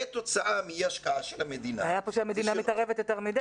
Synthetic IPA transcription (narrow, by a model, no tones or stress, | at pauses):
et̪ot͡saʔamijɛaʃkaaʃelamed̪inaajapoʃeamed̪inamit̪aʁevetjoteʁmid̪